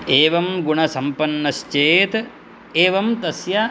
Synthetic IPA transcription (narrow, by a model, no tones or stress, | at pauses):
eːʋɐmɡuɳɐsɐmpɐnːɐʃt͡ʃeːt̪ | eːʋɐmt̪ɐsjɐ